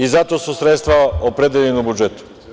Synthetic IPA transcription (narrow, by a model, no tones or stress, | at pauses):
izat̪o̞ːsusɾet̪st̪ʋaopɾed̪eʎenobud͡ʒet̪u̥